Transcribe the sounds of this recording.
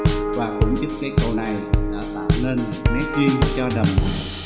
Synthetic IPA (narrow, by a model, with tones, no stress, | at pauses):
vaː˨˩kʊ̰˧˥ŋ͡mt̪i˦˥p̚kaː˨˦jkə˧wna˨˩jla̰ː˧˩t̪aː˧˩wne˧n˨ma˨˦t͡ɕi˧ənt͡ɕɔ˧ɗə˨˩m˨˦